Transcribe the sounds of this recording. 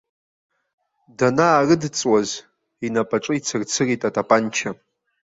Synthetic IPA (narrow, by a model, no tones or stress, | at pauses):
danaːrɨdt͡sʼwaz | inapʼaʈ͡ʂʼɨit͡sʰɨrt͡sʰɨritʼatʼapʼant͡ʃʰa